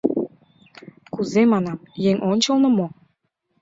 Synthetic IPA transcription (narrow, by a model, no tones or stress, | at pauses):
kuzemɑnɑmjeŋʔonʲt͡ɕəlnɤ̆mo